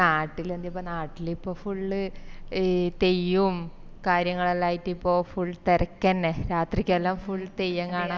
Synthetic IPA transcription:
naːʈːilend̪ijɐp̬ːonaːʈːilipːo̞ːfuɭːɨ | t̪e̞jːum | kaːɾjɐŋːɐɭɐlːaːjitːipːo̞ːfuɭːt̪ɐɾɐkʲːɐnɾaːt̪rikʲːɐlːamfuɭːt̪ejːɐŋkaːɳa

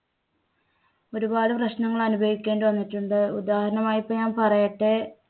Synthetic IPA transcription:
o̞ɾubaːðɨprɐɕnɐŋːɐɭɐnubʱɐʋikʲːe̞ːɳɖɨʋɐnːiʈːuɳɖɨud̪aːhɐɾɐnɐmaːjipːɐɲaːnpɐrɐjɐʈːe

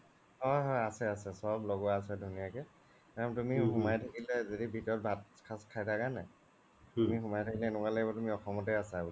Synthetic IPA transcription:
hɔjɦɔjasɛasɛsɔɹblɔɡwaːsɛdʱunijakɛ | ɔmtumiɦumajtʰakilɛzodibʱitɔt̚bʱatkʰaskʰajtʰakanɛ | tumixumajtʰakilɛːnʊkalɔɛbɔtumiɔxɔmɔtɛasabul

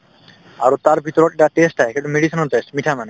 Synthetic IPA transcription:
aɾot̪aɾbʱit̪ɔɾɔʈeʈaʈesʈaɦekeʈumeɖisinɔlʈesʈmiʈʰamane

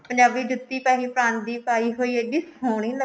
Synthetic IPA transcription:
pəɲd͡ʒaːbiːd͡ʒʊt̪ːiːpaːɦiːpɾãːnt̪d̪iːpaːiːɦoːiːeːɖiːsoːɳ̃iːnə

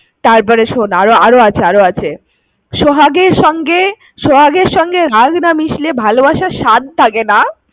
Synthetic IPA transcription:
t̪aɾp̬ɔɾeʃonaɾoaɾoat͡ɕʰeaɾoat͡ɕʰe | ʃoɦaɡeɾʃɔŋɡe | ʃoɦaɡeɾʃɔŋɡeɾaɡnamiʃlebʱalobaʃaʃad̪̚t̪ʰakena

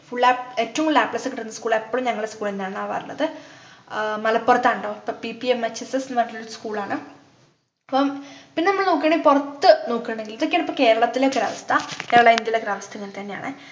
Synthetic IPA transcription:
fuɭːaːeːtːɐʋumlaːpɭɐsɨkiʈːunːɐskuːɭepːoɭumɲɐŋːɐɭeskuːɭenːaːɳaːʋɐ̰rɐnːɐ̰ðɨ | mɐlɐpːurɐt̪ːaːɳɖoːipːopipːiemːɐt͡ɕːesesnɨʋɐɳɖiluɾuskuːɭaːɳɨ | pːompinːenɐmːɐɭnoːkːeɳːɖeipurɐt̪ːɨnoːkːuɳɖeŋɡiliðokːeːɳipːoːke̞ːɾɐɭɐt̪ːileɡɾɐʋɐst̪ʰɐkeːɾɐɭɐind̪jɐileɡɾaːʋɐst̪ʰɐŋːɐlt̪ɐnːeja̰ːɳɨ

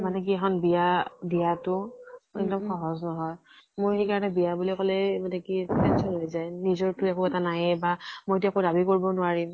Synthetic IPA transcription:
manɛk̬iɛkʰɔnbijabijatʊɛk̚dɔmxɔɦɔznɔɦɔj | moɹxejkaɹɔnɛbijabulikɔlɛmanɛkiɛnsʰɔnɦojzajnizɔɹtʊɛkoɛtanajɛbamojet̬iakodabikoɹibɔnʊaɹim

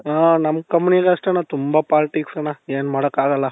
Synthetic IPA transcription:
aːnɐmːkɐmːuniɡɐɐʂʈɐnːat̪umbapaːlɪʈiksɐnːaeːnmaːɽɐkːaːɡɐlːɐ

